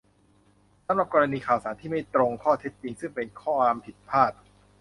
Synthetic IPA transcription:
sa˩˦mɾa˨˩p̚kɔː˧ɾa˧niː˧kʰaː˨˩wsaː˩˦nt̪ʰiː˥˩ma˥˩jt̪ɾo˧ŋkʰɔː˥˩t̪ʰe˦˥t̪̚t͡ɕi˧ŋsɯ˥˩ŋpe˧nkʰɔː˥˩waː˧mpʰi˨˩t̪̚pʰaː˥˩t̪̚

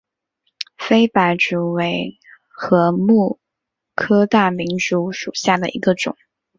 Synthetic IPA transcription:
fe˥ɪpa˧˥ɪʈ͡ʂu˨˥˩we˧˥ɪ | xɤ˧˥mu˥˩ | kʰɤ˥t̪a˥˩mi˧˥nʈ͡ʂu˧˥ʂu˨˩ɕja˥˩d̪ə̰˩ʔḭ˧˥ɡə˧ʈ͡ʂʊ̰˨˩˦ŋ

